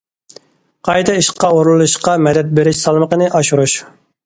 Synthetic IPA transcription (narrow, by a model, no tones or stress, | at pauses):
qʰɑjt̪ʰɑiʃqːɑoɾlˠlˠuʃqɑmɛd̪ɛt̪̚beɾɪʃsɑlˠməqənɨʔɑʃuɾuʃ